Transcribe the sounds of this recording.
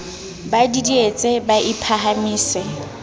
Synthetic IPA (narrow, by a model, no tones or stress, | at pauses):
badidiet͡sʼebaʔipʰaɦamiːsɪ